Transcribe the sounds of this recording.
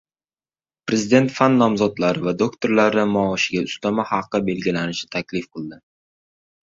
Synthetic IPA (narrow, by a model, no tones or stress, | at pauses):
pɾe̞zɪd̪e̞nt̪fanːɒmzɒd̪laɾɪvad̪okt̪ʰo̞ɾlaɾɪmɒːʃɪɡʲaʊst̪amahɑqːɨbe̞lɡʲɪlanɪʃɪ̥t̪ʰakʲlɪfqʰɨlˠd̪ɪ